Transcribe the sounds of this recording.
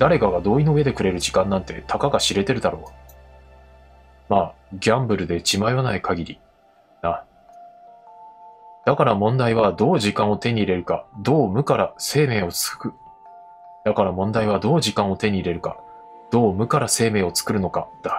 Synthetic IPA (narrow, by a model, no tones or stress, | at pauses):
d̪̥aɾe̞kaɡad̪o̞ːinoɯe̞d̪ekɯ̟ɾe̞ɾɯ̟ʑikãnːãnt̪e̞̰t̪ʰakaɡaɕiɾe̞t̪e̞ɾɯ̟d̪aɾo̞ː | maːɡʲãmbɯ̟ɾɯ̟d̪e̞t͡ɕimajβanaikaɡʲiɾʲi | na | d̪̥akaɾamõ̞nd̪aiβad̪o̞ːʑikãɰ̃o̞t̪e̞ɲ̟iːɾe̞ɾɯ̟ka̰d̪o̞ːmɯ̟kaɾase̞ːme̞ːo̞t͡sɨ̥kɯ̥kɯ̟ | d̪̥akaɾamõ̞nd̪aiβ̞ad̪o̞ːʑikãɰ̃o̞t̪e̞ɲ̟iːɾe̞ɾɯ̟ka̰ | d̪̥o̞ːmɯ̟kaɾase̞ːme̞ːo̞t͡sɨ̥kɯ̟ɾɯ̟no̞ka̰d̪̥a